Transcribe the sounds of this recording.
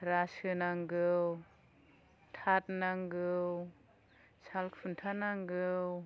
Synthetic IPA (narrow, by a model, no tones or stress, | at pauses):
ɾasɯnaŋɡɯw | tʰat̚naŋɡɯw | salkʰpʰuntʰanaŋɡɯw